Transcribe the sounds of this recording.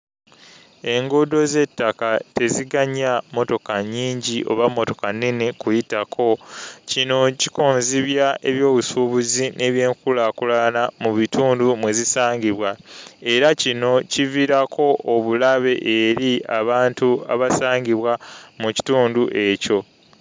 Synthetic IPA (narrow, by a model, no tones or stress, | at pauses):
e̞ŋɡodo̞ze̞tːakate̞ziɡaɲamo̞to̞kaɲːiːɲɟiʔo̞̰βamːo̞to̞kanːinekujitakʰo̞cino̞cikoːnziβjae̞βjo̞ːβusuβuzinʔe̞βje̞ːŋkulakulanamuβituːndumwe̞zisaːŋɟiβwae̞ɾacino̞civiɾakʰo̞ʔoβulaβe̞ʔeɾiaβaːntua̰βasaːŋɡiβwamuci̥tuːnduʔe̞co̞